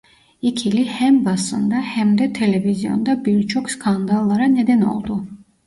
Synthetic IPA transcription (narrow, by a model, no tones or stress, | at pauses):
ikʰilihɛmbasə̰nd̪ahɛmd̪ɛt̪ʰɛlɛviziɔ̰nd̪abilt͡ʃʰɔkʰskʰand̪alˠːaɾanɛd̪ɛnɔ̰lˠd̪u